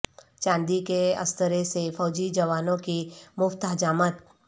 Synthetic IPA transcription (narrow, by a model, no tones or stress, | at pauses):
t͡ʃãːnd̪ikeɐ̰st̪əɾesefɔːd͡ʒid͡ʒɐʋaːnõkimʊft̪ɦɐd͡ʒaːmət̪̚